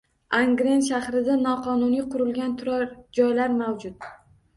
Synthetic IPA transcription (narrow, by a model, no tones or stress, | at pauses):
aŋɡɾe̞nʃahɾɪd̪anɒqʰɒnʊnijqʰʊɾɪlɡʲant̪ʰʊɾɒɾd͡ʒɒjlaɾmawd͡ʒʊt̪̚